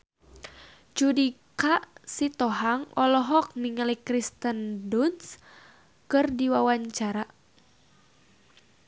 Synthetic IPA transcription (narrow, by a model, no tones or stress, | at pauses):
d͡ʒudikaʔsit̪ɔɦaŋɔlɔɦɔk̚niŋalikɾist̪ənduns | kɨrdiwawaɲt͡ʃaɾa